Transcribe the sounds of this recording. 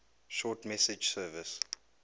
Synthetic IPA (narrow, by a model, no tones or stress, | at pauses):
ʃɔtmɛsɪd͡ʒsɜːvəs